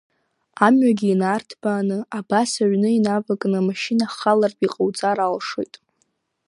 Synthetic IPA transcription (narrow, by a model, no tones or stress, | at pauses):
amɥaɡʲiːnaːrtʰbaːnɨabasaɥnɨinavakʼnɨamaʃinaχalarpʼiqʼawt͡sʼaɾalʂo̰jtʼ